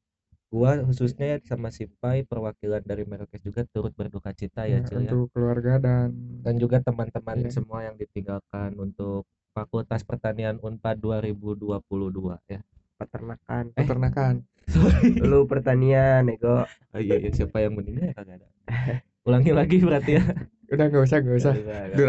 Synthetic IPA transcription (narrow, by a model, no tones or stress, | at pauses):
ɡuaɦususɲasamasimpajpərwakilandaɾimɛɾkɛsd͡ʒuɡat̪uɾʊt̪̚bərdukat͡ʃit̪ajat͡ʃijaʊəluarɡadandand͡ʒuɡat̪əmant̪əmansəmuajaŋdit̪iŋɡalkanunt̪ʊk̚ | pakot̪aspərt̪anianumpat̪̚duaɾibuduapuluhdua̰ja | pat̪ərnakanpaɛt̪ərnakan | soilupərt̪anianeɡɔʔ | ijajasiapajaŋməniŋɡalkaɡada̰ | ulaŋilaɡibəɾart̪ija | udaŋɡabus̬aŋɡabusahɡajdu